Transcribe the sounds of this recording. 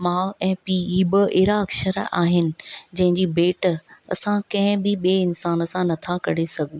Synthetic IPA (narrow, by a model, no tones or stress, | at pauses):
maːʊɛ̃ːpiːiːbəʔeɦɾaɐkʃəɾa̰ːɦɪnɪ̆d͡ʑɐ̃ɦɪ̃ɲd͡ʑiːbeːʈɐ̰sãkɐ̃ɦɪ̃bɪɓieɪnsaːnə̆sãnɐt̪ʰakɐɽesɐɡʱũ